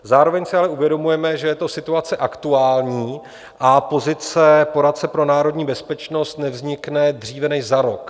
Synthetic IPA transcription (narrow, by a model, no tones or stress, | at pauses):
zaːɾo̞vɛɲsɪalɛuvjɛdo̞mujɛmɛʒɛjɛt̪o̞sɪt̪uat͡sɛʔakt̪uaːlɲiː | ʔapo̞zɪt͡sɛpo̞ɾat̪̚t͡sɛpɾo̞naːɾodɲiːbɛspɛt͡ʃno̞st̪nɛvzɲɪknɛdr̝iːvɛnɛʃzaɾo̞k